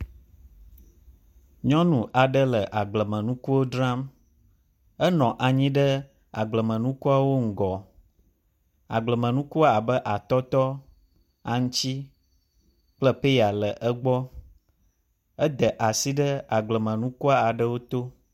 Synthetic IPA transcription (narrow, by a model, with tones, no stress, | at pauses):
ɲɔ̃˦nũ˨ʔa˨ɖə˦lə˨ʔa˨ɡ͡blə˨mə̃˨nũ˦ku˦wo˦dɾã˦m | ə˦nɔ̃˨ʔa˨ɲĩ˦ɖə˦ | a̰˨ɡ͡blə˨mə̃˨nũ˦ku˦a˨wo˦ŋ̩˨ɡɔ˨ | a̰˨ɡ͡blə˨mə̃˨nũ˦ku˦a˦˨a˨bə˦ʔa˨t̪ɔ˦t̪ɔ˦ | a˨ŋũ˦t͡ɕi˦ | k͡plə˦pe˦ja˨lə˨ʔə˦ɡ͡bɔ˦ | ə˦d̪ə˨ʔa˨si˦ɖə˦a˨ɡ͡blə˨mə̃˨nũ˦ku˦a˦a˨ɖə˦wo˦t̪o˦